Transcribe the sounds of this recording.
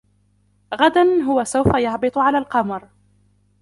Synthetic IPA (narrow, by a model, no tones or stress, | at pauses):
ɣad̪anɦʊwasawfajɑʕbɨt̪ˤʕalaːlqɑmɾ